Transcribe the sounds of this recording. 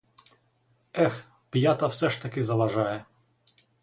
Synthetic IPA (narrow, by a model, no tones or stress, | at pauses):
ɛx | pjat̪ɐwsɛʃt̪ɐkʲɪzɐlɐʒɑjɛ